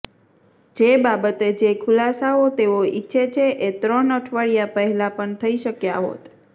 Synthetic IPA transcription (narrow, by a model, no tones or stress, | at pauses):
d͡ʒebabət̪ed͡ʒekʰʊlasaot̪eʋoiːʃʰet͡ʃʰeʔet̪ɾənəʈʰʋaɭijapəɦɛlapəɳt̪ʰəiʃəkjaɦo̰t̪